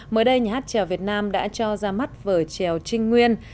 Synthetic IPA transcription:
məː˨˩jɗə˧jɲa˨˩haː˦˥t̚t͡ɕɛ˨˩wvi˨˩ət̚naː˧mɗa̰ː˧˥t͡ɕɔ˧zaː˧ma˦˥t̚vəː˨˩t͡ɕɛ˨˩wt͡ɕï˧ŋ̟ŋwi˧ən

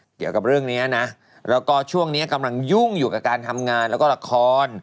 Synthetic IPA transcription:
ki˨˩əwka˨˩p̚ɾɯ˥˩əŋniː˦˥ɐna˦˥ | ɾɛː˦˥wkɔː˥˩t͡ɕʰu˥˩əŋniː˦˥ɐka˧mla˧ŋju˥˩ŋjuː˨˩ka˨˩kaː˧nt̪ʰa˧mŋaː˧nlɛ˦˥wkɔː˥˩a˧kʰɔː˧n

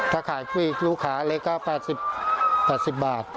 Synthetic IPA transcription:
k̪ʰa˦˧˥kʰaː˩˦jt̪ʰu˧˥˨ʔiː˨˩k̚luː˦˧˩kʰaː˩˦˧leː˦˥kːaː˧˥˩pɛː˨˩t̪̚si˨˩p̚pːɛː˨˩t̪̚si˨˩p̚baː˨˩t̪̚

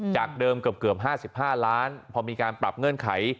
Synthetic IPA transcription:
t͡ɕaː˨˩k̚dɤː˧mka˨˩p̚kɯ˨˩əp̚ɦaː˥˩si˨˩p̚ɦaː˥˩laː˦˥npʰɔ˧miː˧kaː˧npɾa˨˩p̚ŋɤ˧˥˩nkʰa˩˦j

